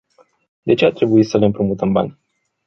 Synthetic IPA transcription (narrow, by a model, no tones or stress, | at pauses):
d̪e̞t͡ʃe̞art̪ɾe̞buit̪səle̞ɨmpɾomut̪əmba̰nʲ